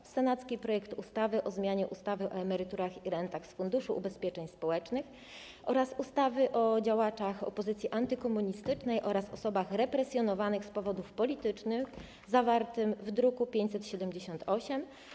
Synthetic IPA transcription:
sɛnat̪skʲipɾɔjɛkt̪ust̪avɘʔɔzmʲjaɲɛʔust̪avɘʔɔɛmɛɾɘt̪uɾaxiɾɛnt̪axsfund̪uʂuʔṵbɛspʲjɛt͡ʂɛɲspɔwɛt͡ʂnɘx | ʔɔɾasust̪avɘʔɔd͡ʑawat͡ʂaxɔ̰pɔzɘt̪sʲiʔant̪ɘkɔmuɲist̪ɘt͡ʂnɛjʔɔɾasɔsɔbaxɾɛpɾɛsʲjɔnɔvanɘxspɔvɔd̪ufpɔlʲit̪ɘt͡ʂnɘx | zavaɾt̪ɘmvd̪ɾukupʲjeɲt͡ɕʲsɛt̪ɕɛd̪ɛmd͡ʑeɕɔnt̪ʰɔɕɛm

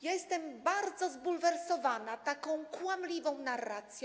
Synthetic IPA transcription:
jɛst̪ɛmbaɾd̪zɔzbulvɛɾsɔvanat̪akɔ̃w̃kwamlʲivɔ̃w̃narːat̪sʲjɔ

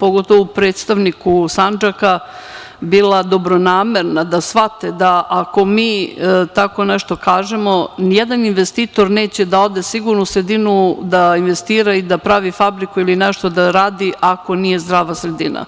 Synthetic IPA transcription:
po̞ɡo̞t̪o̞ʋoupɾeːt̪st̪aʋnikusand͡ʒaka | biːlˠad̪o̞bɾo̞naːme̞ɾnad̪asʋat̪ed̪aʔako̞miːt̪ako̞neʃt̪o̞kaːʒemo̞nijed̪aninʋe̞st̪iːt̪o̞ɾne̞ːt͡ɕe̞d̪ao̞d̪e̞siɡuɾnusɾed̪inud̪ainʋe̞st̪iːɾaid̪apɾaʋifabɾikuilineʃt̪o̞d̪aɾaːd̪iʔako̞nije̞zd̪ɾaːʋasɾe̞d̪ina̰

